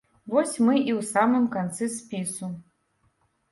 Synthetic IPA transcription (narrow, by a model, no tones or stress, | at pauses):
vosʲmɨʔiwsamɨmkant̪sɨspʲisu